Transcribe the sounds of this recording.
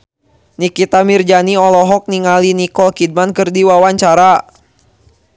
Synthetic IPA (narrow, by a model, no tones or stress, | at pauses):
nikit̪amird͡ʒaniɔlɔɦɔk̚niŋalinikɔlkid̚mankɨrdiwawaɲt͡ʃaɾa